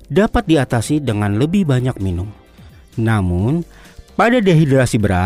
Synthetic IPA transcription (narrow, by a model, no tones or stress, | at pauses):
dapat̪̚diat̪asidəŋanləbɪhbaɲak̚minʊm | namʊn | padadeaɦidɾasibəɾa